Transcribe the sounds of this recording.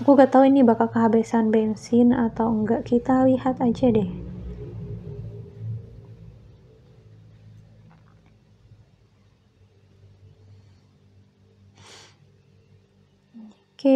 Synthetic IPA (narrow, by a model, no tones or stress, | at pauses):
akukət̪auinːibakalkəɦabɛsanbɛnsinat̪awəŋɡaʔkit̪alihat̪ad͡ʒadɛh | kɛ